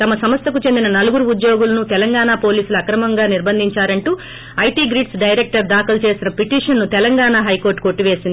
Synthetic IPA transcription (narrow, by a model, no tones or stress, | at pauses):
t̪ɐmɐsɐmɐst̪ʰɐkut͡ʃe̞nd̪inɐnɐluɡuɾuud̪joːɡulɐnut̪ɛlɐŋɡaːɳaːpo̞ːliːsuluɐkɾɐmɐŋɡaːniɾbɐnd̪ʱiɲt͡ʃaːɾɐɳʈuː | ɐjʈiːɡɾiːʈsɖɐjɾek̚ʈɐɾd̪aːkɐlt͡ʃe̞ːsinɐpiʈiːʂɐnːut̪ɛlɐŋɡaːɳaɦɐjkoːɾʈːkoʈːiʋe̞ːsind̪i